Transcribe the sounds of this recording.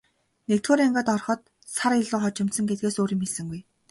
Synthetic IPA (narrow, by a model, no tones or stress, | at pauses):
nekt̪xoːɾaŋɢaːt̪ɔrχɞ̆t̪ | saɾiɮoːχɔt͡ɕɪ̆m̥t̪sɞ̆ŋɡet̪̚ɡeːsoːɾimisɘ̆ŋɡuj